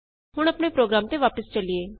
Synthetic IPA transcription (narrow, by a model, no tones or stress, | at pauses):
ɦʊɽ̃əpɳepɾoːɡɾaːmt̪eʋaːpəst͡ʃəlieː